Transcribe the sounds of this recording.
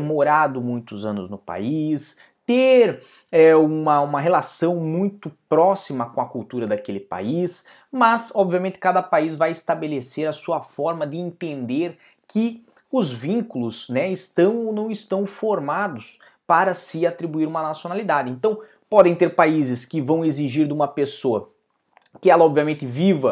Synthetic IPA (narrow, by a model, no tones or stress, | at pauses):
moɾad̪ʊmũj̃t̪ʊzɐ̃nʊ̰znʊpa̰is | t̪eɾ | ɛũmɐũmɐɦelasɐ̃w̃mũj̃t̪ʊpɾɔsimɐkõɐkuwt̪uɾɐd̪akelɪpa̰is | mɐzɔbviɐmẽnt̪ɪ̥kad̪ɐpaizvajɪst̪abeleseɾɐsuɐfɔɾmɐd̪ɪẽnt̪ẽnd̪eɾ | kʰɪ | ʊzvĩŋkulʊsnɛɪst̪ɐ̃w̃onɐ̃w̃ɪst̪ɐ̃w̃foɾmad̪ʊs | paɾɐsɪat̪ɾibuiɾũmɐnasjonalid̪ad̪ɪẽnt̪ɐ̃w̃ | pɔd̪ẽj̃t̪eɾpaizɪskɪvɐ̃w̃eziʒiɾd̪ɪũmɐpesoɐ | kɪɛlɐɔbviamẽnt̪ɪvivɐ